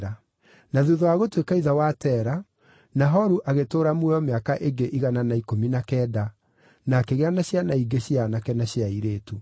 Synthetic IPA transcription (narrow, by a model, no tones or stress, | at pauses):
ɾa | naðuðɔaɣotwekaiðawatɛːɾa | naɦɔɾuʔaɣetoːɾamwɛɔmeakaʔeɡeʔiɣananaikominakɛːda | nakeɣeanaɕjanaiɡeɕianakɛnaɕjaiɾeːtu